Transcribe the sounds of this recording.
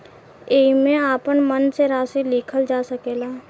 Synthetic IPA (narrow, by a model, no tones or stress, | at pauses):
eːimẽaːpənmənseɾaːsiliːkʰəld͡ʒaːsəkeːlaː